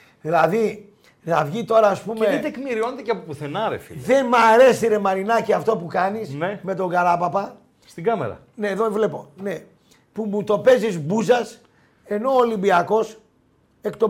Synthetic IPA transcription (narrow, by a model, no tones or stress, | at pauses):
ðilɐði | nɐvʝit̪o̞ɾɐːspumeðet̪ekmiɾio̞net̪ecɐpopuθenɐɾḛfḭðe̞nmɐɾe̞siɾe̞mɐɾinɐciɐft̪o̞pukɐnisneme̞t̪o̞ŋɡɐɾɐpɐpɐ | st̪iɡɐmḛɾɐ̰ | ne̞ðo̞vle̞pone̞ | pumut̪o̞pe̞zizbuzɐs | e̞no̞ːlimbiɐko̞s | e̞kt̪o̞